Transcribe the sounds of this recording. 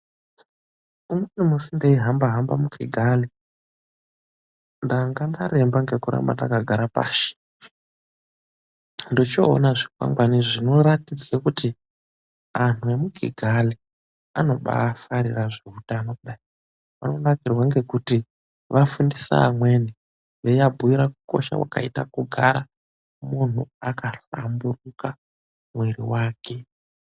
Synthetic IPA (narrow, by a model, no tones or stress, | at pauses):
umwenimusindeiɦambaɦambamuɡʱiɡʱali | ndaŋɡandaɾe̞mbaŋɡe̞kuɾa̰mba̰takaɡʱaɾapa̰ːʃi̥ | ndot͡ʃo̰ːnaʐikwa̰ŋɡwaniʐino̞ɾatid͡zekuti | an̤ue̞muɡʱḭɡʱali | ano̞ɓa̰ːfaɾiraʐeutaːnokuɗai | ʋa̰nonakirwaŋɡe̞kuti | ʋafundisa̰amwe̞ni | jejabʱuiɾakuko̞ʃa̰wa̰ka̰ita̰kuɡʱaɾa | mun̤ṵakaɬamburuka | mwe̞ɾiwaːkʰe̞